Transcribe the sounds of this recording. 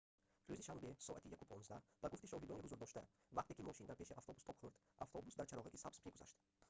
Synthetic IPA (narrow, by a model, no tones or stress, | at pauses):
ɾuziʃambe̞sɔat̪ijakupʰɔnzd̪ab̥aɡuft̪iʃɔɦid̪ɔniɦuzuɾd̪ɔʃt̪a | vaq̚t̪ekimɔʃind̪aɾpʰe̞ʃiʔaft̪ɔbust̪ɔpχuɾd̪ | ʔaft̪ʰɔbusd̪aɾt͡ʃʰaɾɔʁikisapspʰiɡuza̰ʃt̪